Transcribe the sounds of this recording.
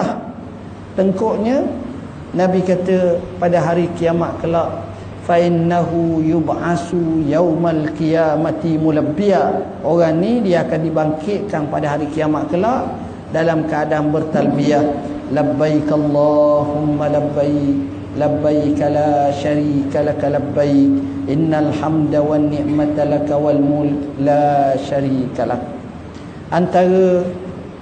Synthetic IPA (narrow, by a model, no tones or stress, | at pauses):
t̪əŋkɔʔɲə̃ | nãbikat̪əpadaɦaɾikijamaʔ̪̚kəlaʔ | faʔɪnːaɦujubʕasujawmalqijamat̪imulabːia | oɣaŋnidiaakandibaŋkɪʔ̪̚kanpadaɦaɾikijamaʔ̪̚kəlaʔ | dalamkəadanbərt̪albiah | labːajkaalˤːɑhumːalabːaj | labːajkalaʃaɾiːkalakalabːajkʔɪnːalhamdawanːiʔmat̪alakawalmulklaʃaɾiːkalah̚ | ʔant̪aɾə